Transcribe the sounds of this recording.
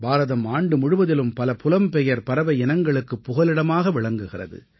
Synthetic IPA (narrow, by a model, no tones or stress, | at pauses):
baːɾɐðɐmaːɳɖɯmʊɻʊʋɐðɪlɯmpɐlɐpʊlɐmpɛjɐɾpɐɾɐʋɐɪɪnɐŋɡɐɭɯkːɯpːʊɣɐlɪɽɐmaːɣɐʋɪɭɐŋɡɯɣɪrɐ̰ðɯ̰